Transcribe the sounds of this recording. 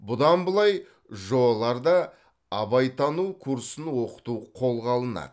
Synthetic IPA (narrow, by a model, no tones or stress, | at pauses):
bʊd̪ɑnbəlˠɑj | ʒo̞bɑlˠɑɾd̪ɑː | bɑjt̪ʰɑnuwkʰuɾsənwo̞qə̥t̪uqʰo̞lˠʁɑlˠənɑ̰d̪